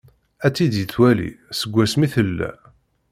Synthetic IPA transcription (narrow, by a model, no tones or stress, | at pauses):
æt͡sːid̪jət͡swælḭsəɡʷːæsmiθəlːæ̰